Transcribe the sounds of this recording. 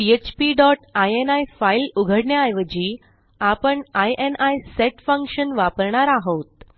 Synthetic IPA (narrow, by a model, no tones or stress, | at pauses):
piet͡ɕpiɖɔʈajenajfailuɡʱəɽɳjaːjʋəd͡ʑiː | apəɳajʔenajseʈfə̃ŋkʂənʋapəɾɳaɾaɦot̪̚